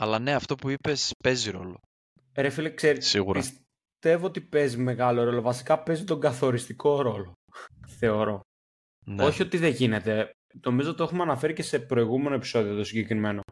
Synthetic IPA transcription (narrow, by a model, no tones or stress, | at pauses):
ɐlɐne̞ɐft̪o̞puipe̞spe̞ziɾo̞̰lo̞̰ | ɾefilekseɾisiɣuɾɐis | t̪e̞voot̪ipe̞zime̞ɣɐlo̞ɾo̞lo̞vɐsi̥kɐpe̞zit̪o̞ŋɡɐθo̞ɾist̪iko̞ɾo̞lo | θe̞o̞ɾo̞ | noçio̞t̪iðe̞ʝine̞t̪e̞ | no̞mizot̪e̞xumeɐnɐfe̞ɾice̞se̞pɾo̞iɣume̞no̞epi̥so̞ðio̞t̪osiɲɟekɾime̞no̞